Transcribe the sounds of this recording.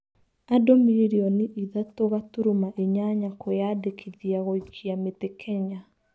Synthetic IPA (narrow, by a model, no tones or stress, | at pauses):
adomiɾiɾiɔniʔiðatoɣatuɾumaʔeɲaɲakʰojadekʰiðiaɣot͡ʃiametekʰɛɲa